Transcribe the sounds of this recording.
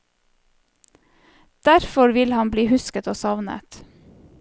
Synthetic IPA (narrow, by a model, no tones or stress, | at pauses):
d̪̥æɾfɔɾʋɪlhɑnbliːhʉskət̪oːsɑʋnə̰t̪